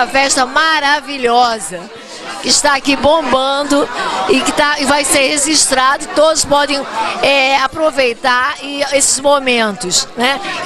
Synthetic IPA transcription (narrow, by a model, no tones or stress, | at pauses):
ɐfɛʃt̪ɐmaɾaviʎɔzɐ | kɪʃt̪aːkibõmbɐ̃d̪ʊɪkɪt̪aɪvajseɾheʒiʃt̪ɾad̪ɐɪt̪od̪ʊspɔd̪ẽj̃ɛapɾovejt̪aɾɪesɪ̥zmomẽnt̪ʊsnɛ